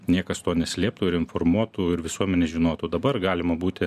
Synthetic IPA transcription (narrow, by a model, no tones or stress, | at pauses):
nʲiɛkɐst̪oːnʲɛsʲlʲeːp̚t̪uːɪɾɪnformuɔt̪uːɪɾʋʲɪsuɔmʲɛnʲɛʒʲɪnoːt̪uːd̪ɐbɐrɡɑːlʲɪmɐbuːt̪ʲɪ